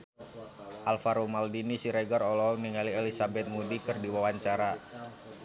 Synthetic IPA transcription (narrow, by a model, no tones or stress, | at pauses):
ʔalfaɾomaldinisiɾɛɡarɔlɔniŋalielisabɛt̪̚mudikɨrdiwawaɲt͡ʃaɾa